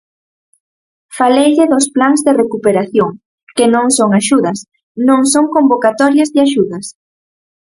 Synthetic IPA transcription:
falejʎɪðosplaŋzðɪrekupeɾaθjoŋ | kɪnõŋsoŋaʃuðɐs | nõŋsoŋkombokat̪ɔɾjɐzðɪaʃuðɐs

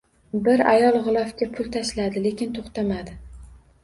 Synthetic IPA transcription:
bɪɾa̰jɒlˠʁʊlˠɒfkʲapʰʊlˠt̪ʰaʃlad̪ɪle̞kʲɪnt̪ʰoχt̪amad̪ɪ

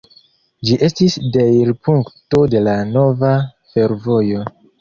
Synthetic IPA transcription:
d͡ʒiʔe̞stisdejɾpuŋkto̞de̞lano̞va | fe̞ɾvo̞jo̞

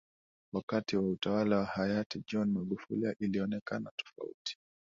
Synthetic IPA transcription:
wakatiwautawalawahajatid͡ʒɔnmaɠufuliaʔiliɔnɛkanatɔ̥fa̰ṵti̥

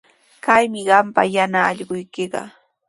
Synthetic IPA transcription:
kajmɪɢɑmpa̰janaːʎɢʊjkɪɢɑ̰

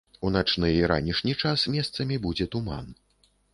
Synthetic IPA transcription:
unat͡ʂnɨjiɾa̰nʲiʂnʲit͡ʂasmʲɛst̪sɐmʲibud͡zʲɛt̪uma̰n

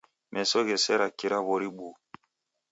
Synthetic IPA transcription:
mʔɛsɔɣɛsɛɾakiɾaβɔɾiɓu

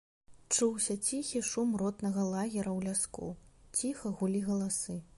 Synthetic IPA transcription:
t͡ʂuwsʲɐt͡sʲixʲiʂumrɔt̪nɐɣɐlˠaɣʲɛɾɐwlʲaskṵt͡sʲixɐɣulʲiɣɐlˠasɨ

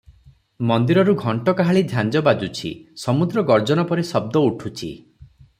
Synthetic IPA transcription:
mɔnd̪iɾɔɾuɡʱɔɳʈɔkaɦaɭid̪ʱjand͡ʒɔbad͡ʒut͡ʃʰḭsɔmud̪ɾɔɡɔɾd͡ʒɔnɔpɔɾisɔb̚d̪ɔuʈʰut͡ʃʰḭ

